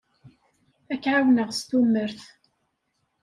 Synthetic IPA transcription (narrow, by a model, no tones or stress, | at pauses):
ækːʕawnəʁst̪umːəɾθ